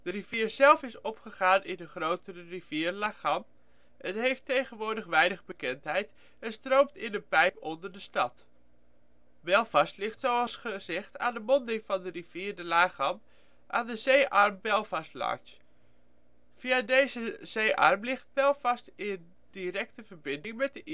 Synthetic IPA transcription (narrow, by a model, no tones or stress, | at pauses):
d̥əriv̥iːɹz̥ɛlˠfɪsɔpχəχaːnɪnəχrowtərəriviːrlaːχɑm | ʔɛnɦejftejχənʋʊːɹdəχʋɛjnəχbəkɛntɦɛjt | ɛnstrowmtɪnənpɛjpɔndəɹdəstɑt | bɛlˠvɑstlɪχtsowɑlˠsχəzɛχta̰ːndəmɔndɪŋvɑndəriv̥iːɹdəlaːχɑm | ʔaːndəzejʔɑɹmbɛlˠvɑstlɑ̰ɹs | v̥iadejzəz̥ejʔɑ̰rmlɪχt̚b̥ɛlˠvɑstɪn | diɾɛk̚təvəɹbɪndɪŋmɛt̚dəʔ